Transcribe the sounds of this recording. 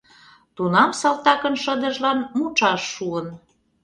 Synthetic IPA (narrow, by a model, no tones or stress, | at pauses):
t̪unɑmsɑlˠt̪ɑkə̆nʃə̆d̪ə̆ʒlɑnmut͡ʃɑʃːuən